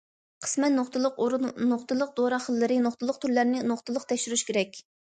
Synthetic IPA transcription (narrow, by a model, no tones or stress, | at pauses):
qʰə̥smɛt̪noχt̪ʰɨlˠəqoɾnoχt̪ɨlˠəq̚d̪oɾɑχəlˠːɨɾɪnoχt̪ʰɨlˠəq̚t̪ʰyɾlæɾnɪnoχt̪ɨlˠəqt̪ʰɛkʃyɾyʃkʲeɾɛkʲ